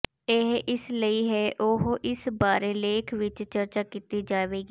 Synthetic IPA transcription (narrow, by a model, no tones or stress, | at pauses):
eɦʔɪsləiːɦɛːʔoɦʔɪsbaːɾeːleːkʰʋɪt͡ʃt͡ʃəɾt͡ʃaːkiːt̪iːd͡ʒaːʋeːɡiː